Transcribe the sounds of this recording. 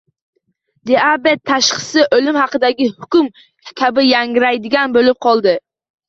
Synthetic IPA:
d̪eabet̪ʰːaʃqɨ̥sɪʔolɪmhɑqɨd̪aɡʲɪhʊkʲʊm | kʲʰabɪjaŋɪɾajd̪ɪɡʲanbolɪp̚qʰɒlˠd̪ɪ

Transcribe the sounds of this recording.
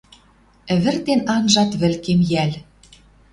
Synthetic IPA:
ɘ̆βɘ̆rt̪enɑnʒɑt̪βɘ̆lkemjælʲ

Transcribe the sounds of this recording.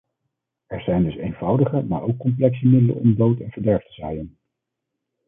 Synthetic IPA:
ɛɹzɛjndɵsejnvʌwdəχəma̰ːɹowkːɔmp̬lɛksəmɪdələ̰ɔ̰mdowtɛnvəɹdɛɹftəzɛjən

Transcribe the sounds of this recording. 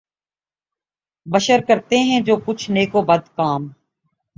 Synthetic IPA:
bəʃəɾkəɾt̪eɦɛ̃d͡ʒoːkʊt͡ʃʰneːkoːbəd̪kaːm

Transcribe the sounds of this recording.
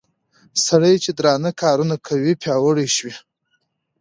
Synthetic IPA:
saɽəjt͡ʃed̪ɾɑnakʰɑɾunakʰawipʰjɑwəɽiʃwi

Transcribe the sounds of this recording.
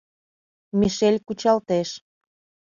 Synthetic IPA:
miʃelʲkut͡ɕɑlt̪eʃ

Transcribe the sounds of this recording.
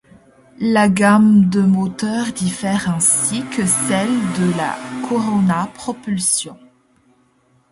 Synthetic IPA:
laɡamd̪əmot̪œʁd̪ifɛʁɛ̃sikəsɛld̪əla̰kʰɔʁɔnapχɔpylsjɔ̃

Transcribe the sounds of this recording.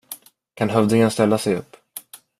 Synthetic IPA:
kʰanɦœvd̪ɪŋənst̪ɛlːasɛjɵ̰pː

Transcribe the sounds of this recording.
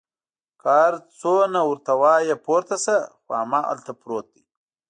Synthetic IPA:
kaːɾt͡sonawuɾt̪awaːjepoɾt̪asɐxoamaːʔɐ̰lt̪apɾoːt̪̚d̪i

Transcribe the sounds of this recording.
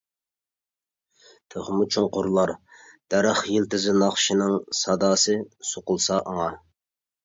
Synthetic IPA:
t̪ʰøʁmut͡ʃʰoŋqʊɾlˠɑɾd̪̥æɾəχjilt̪ɪzɪnɑχʃinɨŋsɑd̪ɑːsɨsoqʊlˠsɑʔɑŋɑ

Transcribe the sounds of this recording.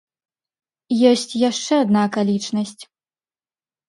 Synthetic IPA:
jɔsʲt͡sʲjaʂt͡ʂɛad̪nakalʲit͡ʂnɐsʲt͡sʲ

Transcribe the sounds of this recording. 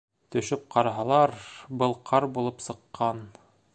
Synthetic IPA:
t̪ɵ̆ʃɵp̚qʰɑɾɑɦɑlˠɑɾbɤlˠqʰɑɾbulˠɤpsɤ̆qːɑn

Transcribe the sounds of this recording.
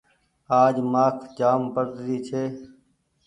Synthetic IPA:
aːd͡ʒmaːkʰd͡ʒaːmpəɾd̪ɾiːt͡ʃʰeː

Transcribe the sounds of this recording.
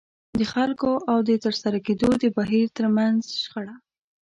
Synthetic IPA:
d̪əxalkoʔawd̪ət̪əɾsaɾaked̪od̪əbaɦiɾt̪əɾmanzʃxaɽa

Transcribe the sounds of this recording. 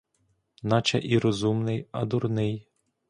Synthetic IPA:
nɑt͡ʃɐ̰ʔiɾɔzumnɪjɐ̰d̪urnɪj

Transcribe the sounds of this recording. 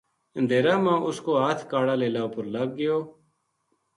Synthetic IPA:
ənd̪eːɾaːmãːʔʊskoːɦaːt̪ʰkaːɽaːleːlaːopəɾləɡːɪjoː

